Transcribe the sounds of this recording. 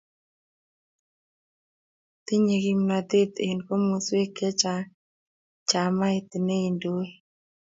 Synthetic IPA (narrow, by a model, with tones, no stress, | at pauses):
t̪ɪ˦ɲe˨ɡi˦mna˨d̪e˦t̪e˨nko˦mo˨swe˦ke˦t͡ʃa˨ | t͡ʃa˨ma˦ɪ˦t̪ɪ˨ne˦i˨ndo˦e˦